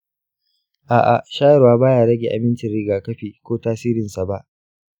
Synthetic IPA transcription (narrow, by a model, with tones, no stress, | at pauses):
ʔaː˨ʔa̰˨ʔʃaː˦jɛ˨ɾwaː˦baː˦jaː˦ɽɐ˦ɡʲe˨ʔa˨mɪ˦nt͡ʃɪ˨rɽɪ˦ɡaː˨kɐ˦ɸiː˨kʷoː˦taː˦siː˦ɾɪ˨nsa˨ba˦ʔ